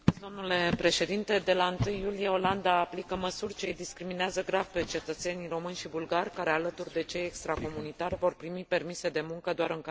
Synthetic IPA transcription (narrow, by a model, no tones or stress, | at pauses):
d̪o̞mnule̞pɾe̞ʃe̞d̪int̪e̞d̪e̞laɨnt̪ɨjːulijeo̞land̪aːplikəməsurʲt͡ʃe̞jd̪iskɾimineazəɡɾavpe̞t͡ʃe̞t̪ət̪se̞niro̞mɨnʲʃibulɡarʲkaɾe̞alət̪urd̪e̞t͡ʃe̞jekst̪ɾako̞munit̪arʲvo̞rpɾimipe̞rmise̞d̪e̞muŋkəd̪oaɾɨŋka